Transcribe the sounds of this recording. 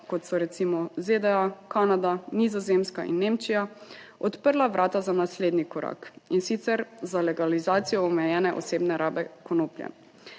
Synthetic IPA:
kɔt̪sɔɾɛt̪simɔzed̪ɛakanad̪anizɔzemskaʔḭnːeːmt͡ʃijaɔt̪pəɾlaʋɾʔaːt̪azanasleːd̪nikɔɾa̰kinsit̪sɛɾzalɛɡalizaːt̪sijɔːmɛjɛːnɛʔɔ̰seːbnɛɾaːbɛkɔnoːplʲjɛ̰

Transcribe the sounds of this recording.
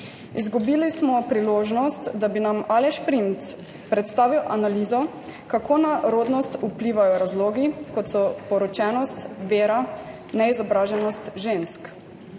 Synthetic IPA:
izɡubiːlismɔpɾiloːʒnɔst̪d̪abinamalɛʃpɾimt̪ | pɾɛt̪st̪aːʋiwʔanaliːzɔ | kakʰoːnaɾoːd̪nɔst̪upliːʋajɔɾazloːɡikɔt̪sɔpɔɾɔt͡ʃɛːnɔst̪ʋeːɾa | nɛizɔbɾaːʒɛnɔst̪ʒensk

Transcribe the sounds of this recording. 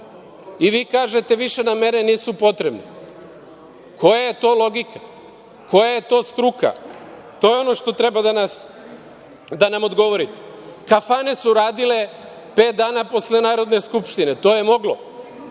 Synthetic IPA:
iʋiːkaːʒe̞t̪e̞ʋiʃe̞name̞ɾeniːsupo̞t̪ɾe̞bno̰ | ko̞jaje̞t̪o̞ːlo̞ɡika | ko̞jaje̞t̪o̞ːst̪ɾuka̰ | t̪o̞ːjeo̞no̞ʃt̪o̞t̪ɾe̞bad̪anas | d̪anamo̞d̪ɡo̞ʋo̞ɾit̪e̥ | kafane̞suɾaːd̪ile̞ | pe̞ːt̪̚d̪aːnapo̞slenaːɾo̞d̪ne̞skupʃt̪ine̞t̪o̞ːje̞mo̞ɡlo

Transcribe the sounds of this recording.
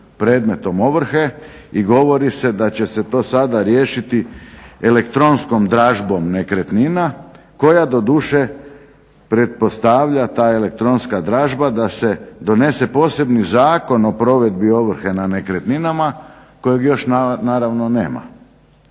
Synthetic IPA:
pɾe̞ːd̪me̞t̪o̞mo̞ʋr̩xe̞iɡo̞ʋo̞ɾise̞d̪at͡ɕe̞se̞t̪o̞ːsad̪aɾje̞ːʃit̪iele̞kt̪ɾo̞nsko̞md̪ɾaːʒbo̞mnekɾe̞t̪nina | ko̞jad̪o̞d̪uːʃe | pɾe̞t̪̚po̞st̪aʋʎat̪aːe̞le̞k̚t̪ɾo̞nskad̪ɾaːʒbad̪ase̞d̪o̞ne̞se̞po̞ːse̞bnizaːko̞no̞pɾo̞ʋe̞d̪bio̞ʋr̩xe̞nanekɾe̞t̪ninama | ko̞joɡjo̞ʃnnaːɾaʋno̞ne̞̰ːma̰

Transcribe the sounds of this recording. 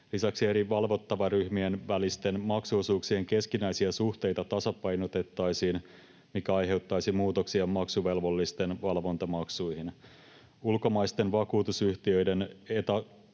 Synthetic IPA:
lisæksie̞ɾiʋɑlʋo̞t̪ːɑʋɑryhmie̞nʋælist̪e̞nmɑksuːsuːksieŋke̞skinæjsiæsuht̪e̞jt̪ɑt̪ɑsɑpɑjnot̪e̞t̪ːɑjsiːn | mikæɑjɦe̞wt̪ːɑjsimuːt̪o̞ksiɑmɑksuʋe̞lʋo̞lːist̪e̞nʋɑlʋo̞nt̪ɑmɑksujhin | ulko̞mɑjst̪e̞nʋɑkuːt̪usyht̪iø̞jde̞net̪ɑ

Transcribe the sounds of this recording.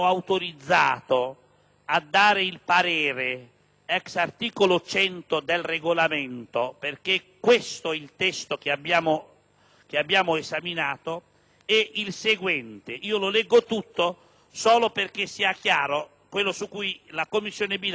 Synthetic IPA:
awt̪oɾid̪zːaːt̪o | ad̪ːaːɾɪilpaɾɛːɾe | ɛksart̪iːkolot͡ʃɛnt̪od̪elreɡolamɛnt̪operkekːwest̪oilt̪ɛst̪ok̟eabːjaːmo | k̟eabːjaːmʊezaminaːt̪o | ɛʔilseɡwɛnt̪ɪʔiːololɛɡːot̪ut̪ːo | sɔːloperk̟esːiakjaːɾo | kwelːosukːujlakomːisːjoːnɪbil

